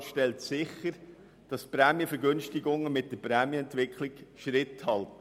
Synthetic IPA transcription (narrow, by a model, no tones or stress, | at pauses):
ʃtɛltsɪχəɾ | d̥ɑspɾæːmjəfəɾɡʏnʃtɪɡʊŋəmɪt̚d̥əpɾæːmjəɛntʋɪkχlɪkʃɾɪthɑlt